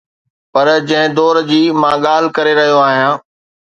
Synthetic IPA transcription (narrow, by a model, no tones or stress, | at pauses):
pɐɾd͡ʑɐ̃ɦɪ̃d̪ɔːɾd͡ʑiːmãːɠaːl̤ɪkɐɾeɾɐɦijoaːɦijãː